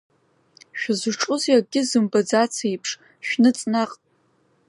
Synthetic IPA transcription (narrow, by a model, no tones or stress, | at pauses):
ʃᶣazɨʈ͡ʂʼʊzjaɡʲɪzɨmbad͡zat͡sʰejpʰʂ | ʃᶣnɨt͡sʼnaqʼ